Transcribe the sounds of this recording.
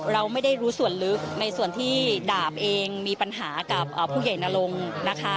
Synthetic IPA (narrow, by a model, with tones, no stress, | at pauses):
ɾa˧wma˥˩jda˥˩jɾuː˦˥su˨˩ənlɯ˦˥k̚na˧jsu˨˩ənt̪ʰiː˥˩daː˨˩p̚ʔeː˧ŋmiː˧pa˧nɦaː˩˦ka˨˩p̚ʔəː˨˩pʰːuː˥˩kja˨˩jna˧lo˧ŋna˦˥kʰa˦˥